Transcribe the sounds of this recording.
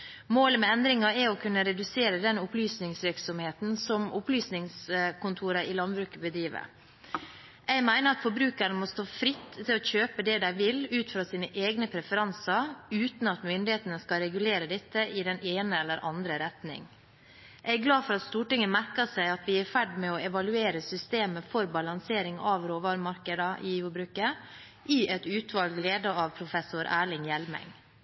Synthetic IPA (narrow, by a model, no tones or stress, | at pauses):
moːləmɛɛnd̪ɾɪŋɑɛɔkʰʉnːəɾɛd̪ʉseːɾəd̪ɛnʊplyːsnɪŋsʋɪɾksɔmheːt̪n̩sɔmʔʊplyːsnɪŋskʰʊnt̪ʰuːɾəʔɪlɑnbɾʉːkəbəd̪ɾiːʋə̰ɾ | ʔæɪmæɪnəɾɑt̪fɔɾbɾʉːkəɾnəmɔst̪oːfɾɪt̪ːʰɪlɔçøːpəd̪ɛd̪æɪʋɪlʉːt̪fɾɑːsiːnəʔeːɡnəpʰɾɛfəɾɑnsɑɾʉːt̪n̩ɑt̪mʏnd̪ɪheːt̪ənəskɑɾɛɡʉleːɾəd̪ɪt̪ːəʔɪd̪ɛneːnəɛlːəɾʔɑnd̪ɾəɾɛt̪nɪ̰ŋ | ʔæɪɡlɑːfɔɾɑt̪st̪uːʈɪŋːəmæɾkɑsæɪɑt̪ʋɪæɾfæɖmɛɔɛʋɑlʉeːɾəsʏst̪eːməfɔɾbɑlɑŋseːɾɪŋɑʋɾoːʋɑːɾəmɑɾkəd̪ɑʔɪfɔbɾʉːkə | ʔɪʔɛt̪ʉːt̪ʰʋɑlɡleːd̪əɑʋpʰɾʊfɛsʊɾʔæːɭɪŋjɛlmɛ̰ŋ